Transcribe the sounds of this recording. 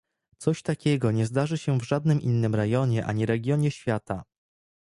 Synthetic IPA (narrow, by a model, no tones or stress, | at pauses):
t̪sɔɕt̪akʲɛɡɔɲɛzd̪aʐɘɕɛvʐad̪nɘmʔḭnːɘmɾɛjɔɲɛʔaɲiɾɛɡʲjɔɲɛɕfʲjat̪a